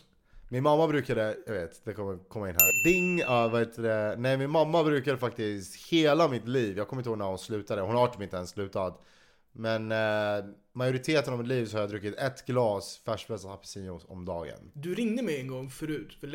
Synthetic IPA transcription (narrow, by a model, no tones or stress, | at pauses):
mɪnmamːabɾʉ̟ːkad̪əjɑɡveːt̪d̪ɛkʰɔmːəkʰɔmːaɪnɦæ̰ːɾb̪ɪŋːavahet̪ʰəd̪ɛnɛjmɪnmamːabɾʉ̟ːkad̪əfak̚t̪ɪst̪heːlamɪt̪liːvjɑːɡkʰɔmːɪt̪hoːɡnaɾʊnslʉ̟ːt̪ad̪əhʊnavaʈːɪmɪnɛnslʉ̟ːt̪ad̪ | mɛn | majʊɾɪt̪ʰeːt̪ənavmɪt̪liːvsɔhaɾjaːd̪ɾɵkːɪt̪ɛt̪ɡ̥lɑːsfæʂbɾɛsat̪apʰɪ̥siːnʊɔ̰md̪ɑːɡə̰nd̪ɵɾɪŋd̪əmɛjɛŋɡɔŋːfœɾʉ̟ːt̪fə